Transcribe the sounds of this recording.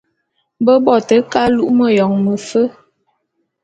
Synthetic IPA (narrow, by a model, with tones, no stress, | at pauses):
bə˦bɔ˦˨tə˨˦ka˦lu˦ʔmə˨jɔ˨ŋmə˨fə˦